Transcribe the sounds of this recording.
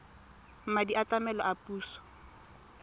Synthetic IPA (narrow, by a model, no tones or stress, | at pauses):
m̩madiʔatamɛlɔʔapʼuːsɔ̥